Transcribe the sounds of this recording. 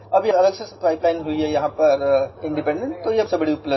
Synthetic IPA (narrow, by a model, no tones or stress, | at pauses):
ɐbʱiɐləɡsespaːɪplaːɪnɦuiɦɛjɐɦãpɐɾɪ̃ɳɖɪpẽɳɖẽɳʈ̚t̪ojeɐbsɐbɐɽiʊplə